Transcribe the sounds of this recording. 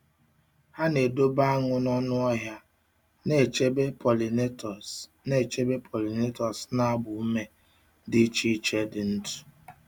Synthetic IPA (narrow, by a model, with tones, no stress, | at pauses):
ha˦ne˨do˦ba˦a˦ŋʊ˦nɔ˦nʊ˦ɔ˦ɦja˦ | ne˨t͡ʃe˦be˦pɔ˨li˨ne˦tɔ˨s | ne˦˨t͡ʃe˦be˦pʰɔ˨li˨ne˦tɔ˨sna˦bʊ˨˦me˦ | dɪ˦t͡ʃi˦t͡ʃe˦dɪ˨n̩˦tu̥˨